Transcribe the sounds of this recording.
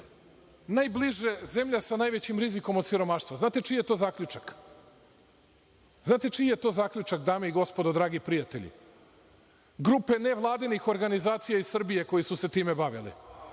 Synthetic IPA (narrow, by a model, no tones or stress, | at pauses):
najbliʒezemʎasanaːjʋet͡ɕimɾiziko̞mod̪siɾo̞maʃt̪vʋoznaːt̪et͡ʃije̞t̪o̞ːzaːkʎut͡ʃak | znaːt̪e̞t͡ʃijet̪o̞ːzaːkʎut͡ʃakd̪aːmeiɡo̞spo̞d̪od̪ɾaːɡipɾijat̪e̞̰ʎḭ | ɡɾupe̞ne̞ʋlˠaːd̪inixo̞ɾɡanizaːt̪sijaisr̩bije̞ko̞jisuse̞t̪iːmebaʋilḭ